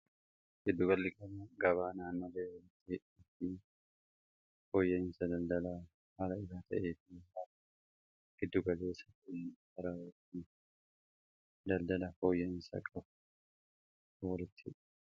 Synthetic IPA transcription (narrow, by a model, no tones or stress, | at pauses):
ɡ̥ɪd̪ːʊɡɐlːɪkɐnɐɡɐβaːnaːnːɐleːwɐlɪt̪ːɪ | ɪfɪ | foːjːɐɪnsɐd̪ɐld̪ɐlaː | hɐlɐɪsaːt̪ʰɐ̰ʔeːfɪha | ɡ̥ɪd̪ːʊɡɐle̞ːsɐ̥tɪnkɐɾaːwɪt̪ːɪ | d̪ɐld̪ɐlɐfoːjːɐnsɐ̰kʼɐb | wɐlɪt̪ʰːɪᶑ